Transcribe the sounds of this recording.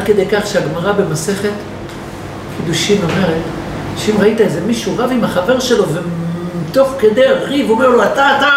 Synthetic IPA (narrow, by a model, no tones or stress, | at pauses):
dked̪e̞jkaχʃeaɡmaʁabe̞mase̞χe̞t̪ | kid̪uʃimo̞me̞ʁe̞t̪ | ʃeimʁait̪ae̞ze̞miʃuʁavimaχave̞ʁʃe̞lo̞veit̪o̞χke̞d̪e̞ʁivome̞ʁloat̪at̪a